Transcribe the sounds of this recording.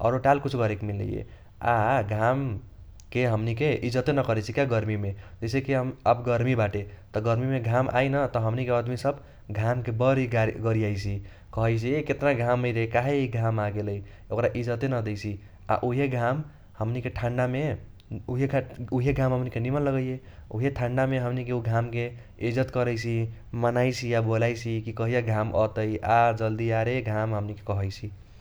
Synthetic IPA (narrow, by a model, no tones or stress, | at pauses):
ɔ̰ɾoʈalkut͡ʃʰuɡʌɾekmilːḛjḛ | a̰ɡʱam | keɦəmnikeid͡ʒət̪enʌkʌɾɛt͡ʃʰikjaɡʌɾmimed͡ʒəjsekeɦəməbɡʌɾmibaʈet̪ɔɡʌɾmimeɡʱamʔa̰jnʌt̪ʌɦəmnikead̪misəb | ɡʱamkebʌɾiɡaɡʌɾiajt͡ʃʰi | kʌɦəjt͡ʃʰiket̪naɡʱamːəjɾeekaɦeiɡʱamaɡeləj | okɾaʔid͡ʒət̪enəd̪et͡ʃʰi | a̰ʔuɦeɡʱam | həmnikeʈʰãɳɖame | uɦekauɦeɡʱãmɦəmnikenimənləɡəjje | uɦeʈʰãɳɖameɦəmnikeuɡʱamke | id͡ʒət̪kəɾəjt͡ʃʰimənajt͡ʃʰijabolajt͡ʃʰikikʌɦijaɡʱamʔɔ̰t̪əjad͡ʒəld̪iaɾeɡʱamɦəmnike̥kəɦəjt͡ʃʰi